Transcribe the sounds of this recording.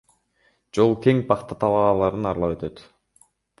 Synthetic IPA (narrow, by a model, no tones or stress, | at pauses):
d͡ʒo̞lˠkʲeŋpʰɑqt̪ɑt̪ʰɑlˠɑːlˠɑɾɯnɑɾlˠɑpø̞t̪ø̞t̪